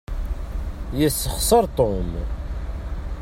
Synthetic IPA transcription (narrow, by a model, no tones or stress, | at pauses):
jəsːəχsˤəɾˤt̪ˤom